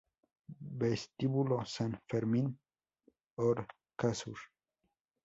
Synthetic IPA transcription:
best̪ibulosenfeɾmin | oɾ | kasuɾ

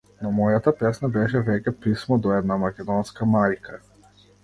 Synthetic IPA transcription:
nɔmɔjat̪apɛsnabɛʃ̬ɛvɛcʲɛpismɔd̪ɔɛd̪namakʲɛd̪ɔnskamajkʰa

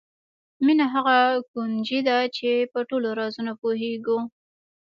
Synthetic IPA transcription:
minaɦaɣakund͡ʒid̪at͡ʃepəʈoloɾɑzunapoɦeɡu

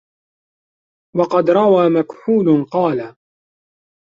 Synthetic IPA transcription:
wɑqɑd̪ɾˤɑwaːmakħuːlnqɑːla

